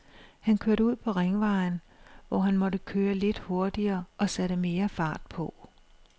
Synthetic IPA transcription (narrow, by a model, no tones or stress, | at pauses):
hænkʰøɐɾəuð̰ˠpʰɒ̽ʁeŋʋɑ̈ɪnʋɒ̰ɦænmɒ̽ɾəkʰøːɐle̝d̥ho̝ɐd̥iɐːʔɒ̽sæɾəme̝ːɐfɑ̈ːd̥̚pʰɒ̽